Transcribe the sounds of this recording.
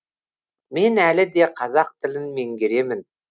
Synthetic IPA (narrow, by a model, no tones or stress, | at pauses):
me̞nælɪd̪e̞qʰɑzɑq̚t̪ʰɪlɪnme̞ŋɡʲeɾe̞mɪn